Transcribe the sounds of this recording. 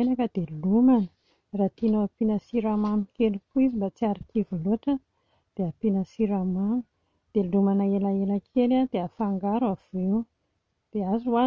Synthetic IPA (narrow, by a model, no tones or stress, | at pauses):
enakəd̪̥elumanə̥ | rat̪inoapinəsiɾamamikelikuizimbat͡siaɾikivuloʈ͡ʂə | d̪̥eapinəsiɾamami̥ | d̪̥elumanaelaelakʰelad̪̥eafaŋɡaɾwavew | d̪̥eazuwa